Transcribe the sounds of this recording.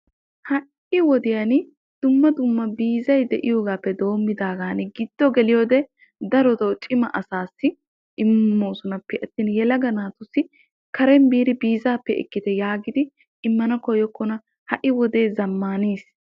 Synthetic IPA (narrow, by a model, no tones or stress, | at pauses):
hɐʔ | ɪwɔd̪ɪjan | d̪̥ʊmːɐd̪ʊmːɐbiːzɐjd̪ɛʔɪjoːɡaːpːɛd̪o̞ːmːɪd̪aːɡaːnɛɡɪd̪̥ːɔɡɛlɪjoːd̪ɛ | d̪ɐɾɔt̪ɐwt͡ʃʼɪmɐʔɐsaːsːɪ | ʔɪmːoːsʊnɐpːɛʔɐt̪ːiːnjɛlɐɡɐnaːt̪ʊsːɪ | kɐɾɛmbiːɾɪbiːzaːpːɛɪ̰kːɪt̪ɛjaːɡɪd̪ɪ | ɪmːɐnɐkɔjɔkːɔnɐ | hɐʔɪwɔd̪e̞ːzɐmːaːneːs